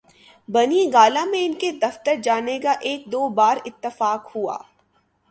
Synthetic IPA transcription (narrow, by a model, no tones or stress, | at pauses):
bɐniɡaːlamẽɪnked̪ɐft̪əɾd͡ʒaːnekaʔeːk̚d̪oːbaːɾɪt̪ːəfaːkhua̰ː